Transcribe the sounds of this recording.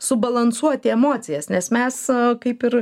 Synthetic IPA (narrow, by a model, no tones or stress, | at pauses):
sʊbɐlˠɐnsuɔt̪ʲɪɛmoːt͡s̪ʲɪjɛsnʲɛsmʲɛskɐɪpɪɾ